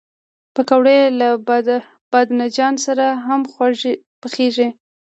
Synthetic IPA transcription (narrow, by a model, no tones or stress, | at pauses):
pəkawɽelab | b̥ɑd̪nad͡ʒɑnsaɾaɦamxwa | pəxeʒi